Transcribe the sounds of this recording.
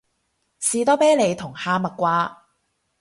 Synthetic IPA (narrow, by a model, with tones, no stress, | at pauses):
siː˨t̪ɔː˥pɛː˥jle˨˧jt̪ʰʊ˨˩ŋhaː˧mɐ˨t̚kʷaː˧